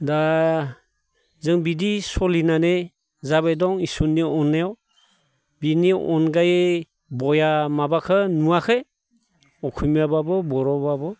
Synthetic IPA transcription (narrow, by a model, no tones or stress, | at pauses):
da | zɯŋbidisɔlinane | zaβejdɔŋisunːiɔnːaɔw | biniɔ̰nɡaj | bɔjamabakʰɯnuakʰɯj | ɔkʰujmjababɯbɔɾɔbabɔ